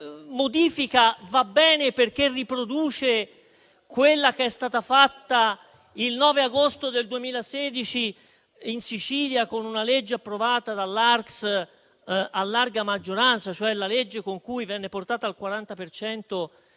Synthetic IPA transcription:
mod̪iːfikavabːɛːneperk̟erːipɾod̪uːt͡ʃe | kwelːak̟eɛst̪aːt̪afat̪ːa | ilnɔːveaɡost̪od̪eld̪uemiːlasɛːd̪it͡ʃi | insit͡ʃiːljakonunaled͡ʒːeapːɾovaːt̪ad̪alːart̪s | alːarɡamad͡ʒːoɾant̪sat͡ʃoɛlaled͡ʒːekoŋkujvɛnːeport̪aːt̪aːlkwaɾant̪apert͡ʃɛnt̪o

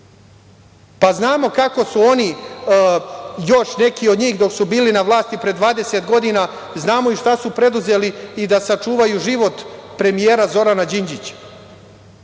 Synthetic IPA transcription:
paznaːmo̞kako̞suo̞ni | jo̞ʃne̞kio̞d̪ɲiːxd̪o̞ksubiːlinaʋlˠaːst̪ipɾe̞d̪ʋaːd̪e̞set̪ɡo̞d̪ina | znaːmo̞iʃt̪asupɾe̞d̪uze̞liːd̪asat͡ʂuːʋajuʒiʋo̞t̪pɾe̞mijeːɾazo̞ɾanad͡ʑiɲd͡ʑit͡ɕḁ

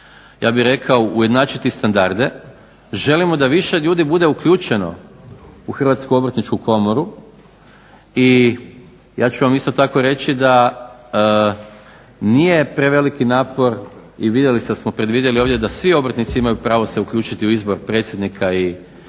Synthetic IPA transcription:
ja̰ːbiɾe̞kʰaouje̞d̪naːt͡ʃit̪ist̪and̪aɾd̪e̞ | ʒe̞limo̞d̪aʋiʃe̞ʎuːd̪ibud̪e̞ukʎuːt͡ʃe̞no̞̰ | uxr̩ʋaːt̪skuo̞bɾt̪nit͡ʃkuko̞mo̞ɾu | i | jaːt͡ɕuʋamist̪o̞t̪ako̞ɾe̞t͡ʃid̪a | nije̞pɾe̞ʋe̞likinaːpo̞ɾ | iʋid̪je̞lised̪asmo̞pɾe̞d̪ʋid̪je̞lio̞ːʋd̪ʲje̞d̪asʋio̞bɾ̩t̪nit̪siimajupɾaːʋo̞se̞ukʎʲuːt͡ʃit̪iuizbo̞ɾpɾe̞t̪sʲjed̪nikʰai

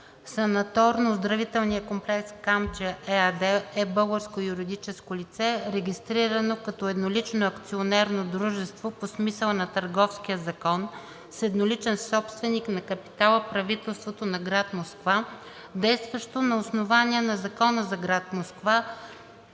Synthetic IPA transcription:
sɐnɐt̪ɔɾnozd̪ɾɐvit̪ɛlˠnijəkomplɛkskamd͡ʒəʔɛad̪ɛɛbɤlˠɡəɾskojuɾid̪it͡ʃɛskolit̪sɛɾɛɡʲist̪ɾiɾɐnokɐt̪ɔɛd̪nolit͡ʃnoɐkt̪sionɛɾnod̪ɾuʒɛst̪voposmisəlˠnɐt̪ɐɾɡɔfskijəzɐkɔn | sɛd̪nolit͡ʃɛnsɔpst̪vɛniknɐkɐpi̥t̪alˠəpɾɐvit̪ɛlˠst̪vot̪onɐɡɾat̪moskva | d̪ɛjst̪vɐʃt̪onɐosnovaniɛnɐzɐkɔnəzɐɡɾat̪moskva

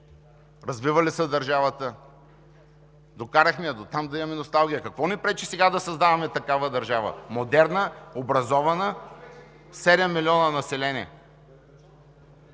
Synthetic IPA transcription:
ɾɐzvivɐlisəd̪ɐɾʒavət̪ə | d̪okaɾɐxmɛɐd̪ot̪amd̪ɐimɐminost̪alˠɡʲijəkɐkvɔnipɾɛt͡ʃisɛɡad̪ɐsɐzd̪avɐmɛt̪ɐkavəd̪ɐɾʒavə̰mod̪ɛɾnəobɾɐzɔvɐnə | sɛd̪ɛmːilʲiɔnənɐsɛlɛniɛ̰

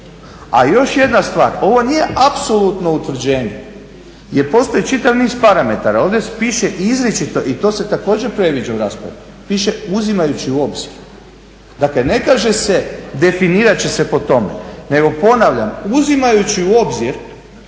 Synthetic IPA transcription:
a̰jo̞ʃje̞d̪nast̪ʋa̰ːɾo̞ʋo̞nije̞ʔapso̞lˠut̪no̞ut̪ʋr̩d͡ʑeːɲḛ | jeɾpo̞st̪ojit͡ʃit̪aʋniːzpaɾame̞t̪aɾao̞ːʋd̪epiːʃeʔizɾet͡ʃit̪o̞ʔit̪o̞se̞t̪ako̞ːd͡ʑe̞pɾe̞ʋid͡ʑauɾaːspɾa̰ʋu | piːʃe̞uzimajut͡ɕiuo̞bz̥iɾ | d̪aklene̞kaːʒe̞se̞d̪e̞finiːɾat͡ɕese̞po̞t̪o̞me̞̰ne̞ɡo̞po̞naʋʎamuzimajut͡ɕiuo̞bziɾ

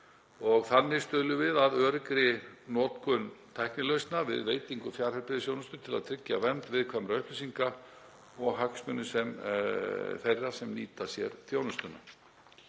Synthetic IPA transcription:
ɔɣθanːɪst̪œːððʏvɪðaðœːɾkɾɪnɔːt̪kʰʏnt̪ʰajknɪlœɥst̪navɪ̰ðveːjt̪iŋkʏfjaːɾ̥hɛɾpɪðɪsjownʏst̪ʏt̪ʰɪlaðt̪ʰɾɪcːavɛnt̪vɪðkʰvamɾaʏhplɪsiŋka | ɔɣɦaksmʏnːʏsɛm | θejrːasɛmniːt̪asjɛ̰ɾ̥θjownʏst̪ʏna̰

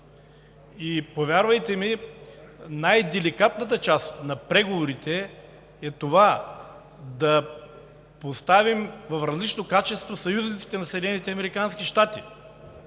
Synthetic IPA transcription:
ipovʲjaɾvɐjt̪ɛmi | najd̪ɛlikat̪nət̪ət͡ʃast̪nɐpɾɛɡovoɾit̪ɛ | ɛt̪ova | d̪ɐ | post̪avimvɐfɾɐzlit͡ʃnokat͡ʃɛst̪vosɐjuznit̪si̥t̪ɛnɐsɛd̪ɛnɛnit̪ɛɐmɛɾikansk̟iʃt̪at̪i

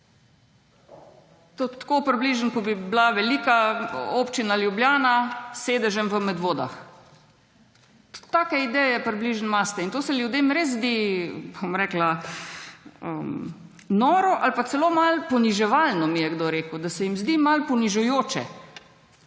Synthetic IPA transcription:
t̪ot̪koːpɾibliːʒənkɔbiblaʋɛliːkaoːpt͡ʃinaljubljaːnaseːd̪ɛʒɛmʋəmɛd̪ʋoːd̪a̰x | t̪aːkɛid̪ɛjɛpɾibliʒənmast̪ɛint̪oːsɛlʲjud̪eːmɾeːzzd̪iːbomɾɛkla | ə̰m | nɔːɾɔʔalpat̪sɛloːmalpɔniʒɛʋalnɔmijɛɡd̪oːɾeːkud̪asɛjimzd̪iːmalpɔniʒujoːt͡ʃɛ̰

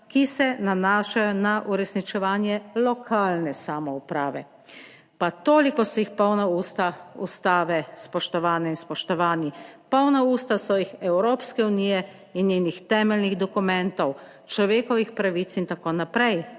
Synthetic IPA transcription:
kisɛnanaːʃajɔnaʔuɾɛsnit͡ʃɛʋaːnjɛlɔkʰaːlnɛsaːmɔupɾaːʋɛ̰ | pat̪oːlikɔsɔjixpɔwnauːst̪aṵst̪aːʋɛspɔʃt̪ɔʋaːnɛinspɔʃt̪ɔʋaːnipɔwnauːst̪asɔjixɛwɾoːpskɛuniːjɛ | injeːnixt̪ɛːmɛlniɣd̪ɔkumɛnt̪ɔw | t͡ʃlɔʋeːkɔʋixpɾaʋit̪sint̪akoːnapɾɛj

